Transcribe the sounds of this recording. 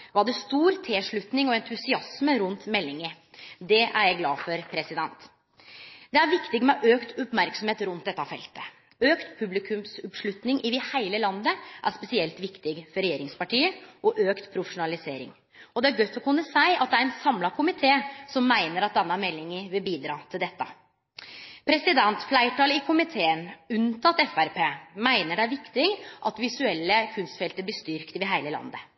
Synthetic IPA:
ʋɑd̪ɛst̪uːɾt̪ʰeːʂɭʉt̪nɪŋɔɛnt̪ʰʉsɪɑsməɾʉnt̪mɛlːɪŋə | d̪ɛʔæ̰ɾjæɪɡlɑːfɔɾpʰɾɛsɪd̪ɛnt̪ | d̪ɛæɾʋɪkt̪ɪɡmɛʔøːkt̪ʰɔpmæɾksɔmheːt̪ɾʉnt̪̚d̪ɛt̪ːɑfɛ̰lt̪ə̥ | øːkt̪pʰʉblɪkʰʉmsɔpʂɭʉt̪nɪŋʔɪʋihæɪləlɑnd̪əʔæ̰ɾspɛsɪɛlt̪ʋɪkt̪ɪɡfɔɾɛjeːɾɪŋspɑʈiːəʔɔʔøːkt̪pʰɾʊfɛʃʊnɑlɪseːɾɪ̰ŋ | ɔd̪ɛæɾɡœt̪ːɔkʰʉnːəsæɪʔɑt̪̚d̪ɛæɾɛnsɑmlɑkʰʊmɪt̪ʰeːsɔmːæɪnəɾɑt̪̚d̪ɛnːɑmɛlːɪŋəʋɪlbiːd̪ɾɑːt̪ʰɪld̪ɛt̪ːə̰ | pʰɾɛsɪd̪ɛnt̪flæɪʈʰɑːlɪkʰʊmɪt̪ʰeːənʉnt̪ʰɑt̪ːɛfæɾpeːmæɪnəɖææɾʋɪkt̪ɪɡʔɑt̪ʋɪsʉɛlːəkʰʉnst̪fɛlt̪əb̪ɪst̪ʏɾkt̪ɪʋɪɦæɪləlɑ̰nd̪ə

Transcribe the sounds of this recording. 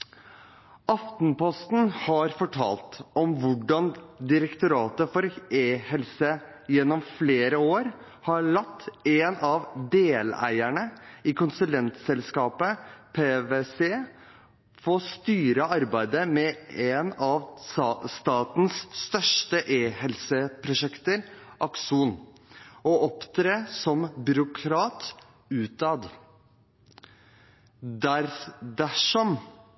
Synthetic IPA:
ɑft̪npɔst̪n̩hɑɾfɔʈʰɑ̰ːlt̪ɔmʋʊɖɑnd̪ɪɾəkt̪ʊɾɑːt̪əfɔɾeːhɛlsə | jɛnːɔmfleːɾəoːɾ | hɑɭɑt̪ːenɑʋd̪eːlæ̰ɪæɳəɪkʊnsʉlɛnt̪sɛlskɑːpəpʰeːʋese | foːst̪yːɾəɑɾbæɪd̪əmɛenɑʋst̪ɑːt̪n̩sːt̪œʂʈəʔeːhɛlsəpʰɾʊʂɛkt̪əɾ | ʔɑkʂuːn | ɔʔɔpt̪ʰɾeːsɔmbʏɾʊkʰɾɑːt̪ | ʉːt̪ɑːd̪ | d̪æɾd̪æʂɔm

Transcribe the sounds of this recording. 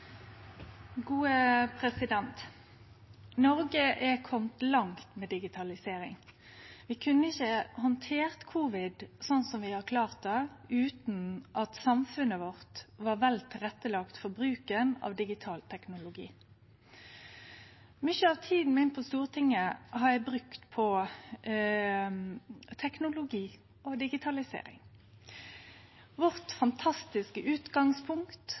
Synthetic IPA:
ɡuːəpʰʁɛsɪd̪ɛnt̪ | nɔʁɡəʔɛkʰɔmt̪lɑŋt̪mɛːd̪ɪɡɪt̪ʰɑlɪseːʁɪ̰ŋ | ʋɪkʰʉnːəɪçəhɔnt̪ʰeːʁt̪kʰuːʋɪd̪sɔnsɔmʋɪhɑkʰlɑːʁt̪əʉːt̪nʔɑt̪sɑmfʉnəʋɔʁt̪ʋɑʁʋɛlt̪ʰɪɾɛt̪ːəlɑkt̪fɔɾbɾʉːkənɑ̰ːʋd̪ɪɡɪt̪ʰɑːlt̪ʰɛknʊlʊɡḭː | mʏçəɑʋt̪ʰiːd̪n̩mɪnpʰɔst̪uːʁət̪ʰɪŋːəhɑɾjæɪbɾʉkt̪pʰɔ | t̪ʰɛknʊlʊɡiː | ɔd̪ɪɡɪt̪ʰɑlɪsḛːɾɪ̰ŋ | ʋɔʁt̪fɑnt̪ʰɑst̪ɪskəʔʉːt̪ɡɑŋspʰʊŋkkt̪

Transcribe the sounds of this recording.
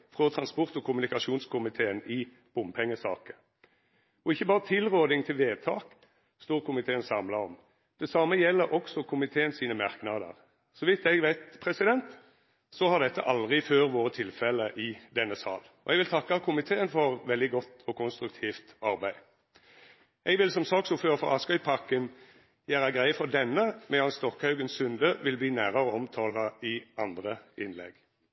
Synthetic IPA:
fʁɔt̪ʰʁɑnspɔʁt̪ɔkʰʊmʉnɪkɑʂuːnskʊmɪt̪ʰeːənɪ | b̥ʊmpʰɛŋːəsɑ̰ːkə | ɔɪçːəbɑːʁət̪ʰɪlʁoːd̪ɪŋt̪ʰɪlʋeːd̪̚t̪ʰɑːk | st̪oːʁkʰʊmɪt̪ʰeːənsɑmlɑɔm | d̪̥ɛsɑməjɛlːəɾʔɔksɔkʰʊmɪt̪ʰeːənsiːnəmɑʁknɑd̪ə̰ʁ | sɔʋɪt̪ɛɡʋæɪt̪pʰʁɛsɪd̪ɛnt̪ | sɔhɑʁd̪ɛt̪ːə̰ʔɑld̪ʁɪføːʁʋoːʁət̪ʰɪlfɛləʔɪd̪ɛnːəsɑ̰ːl | ɔɛɡʋɪlt̪ʰɑkːɑkʰʊmɪt̪ʰeːənfɔʁʋɛld̪ɪɡɔt̪ːɔkʰʊnst̪ɾʉk̚t̪ʰiːft̪ɑɾbæɪ | ʔɛɡʋɪlsɔmsɑːksʊføːʁfɔ̰ʁɑskœʏpʰɑkːən | jæːɾɑɡɾæɪəfɔd̪ɛnːəmɛɑnst̪ɔkhɑʉɡənsʉnd̪əʋɪlbliːnæːɾəɾɔɔmt̪ʰɑːlɑɪɑnd̪ʁəʔɪnlɛ̰ɡ

